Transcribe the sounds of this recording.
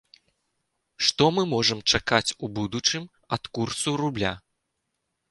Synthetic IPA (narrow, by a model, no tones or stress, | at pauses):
ʂt̪ɔmɨmɔʐɐmt͡ʂakat͡sʲubud̪ut͡ʂɨm | ɐt̪kursurublʲa̰